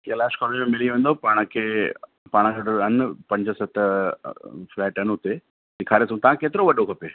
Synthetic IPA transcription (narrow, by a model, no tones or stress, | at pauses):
kelaːʃkɔːled͡ʑmẽmɪliʋẽːn̆d̪opaːɽ̃kʰeː | paːɽ̃əkʰɖɐnpɐ̃ɲd͡ʑəsɐt̪ʰ | flɛːʈɦɐnɦʊt̪e | sɪkʰaːɾesũt̪ɐʋãkeːt̪ɪɾoʋɐɗokʰɐpeː